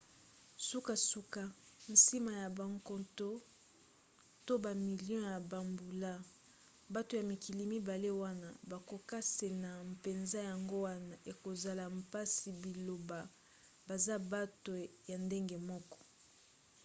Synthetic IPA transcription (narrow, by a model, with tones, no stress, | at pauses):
su˦ka˨su˦ka˦n̩˨si˦ma˨ja˨ba˨ŋko˨to˦ | to˦ba˨mi˨ljɔ̃˦ja˨ba˨mbu˨la˦ | ba˦to˨ja˨mi˨ki˨li˨mi˦ba˨le˦wa˦na˦ba˨ko˨ka˦se˨na˨mpe˨nza˦ja˨ŋɡo˦wa˦na˨ʔe˨ko˨za˨la˨mpa˦si˨bi˨lo˨ba˨ | ba˨za˦ba˦to˨ja˨nde˦ŋɡe˨mɔ˦kɔ̥˦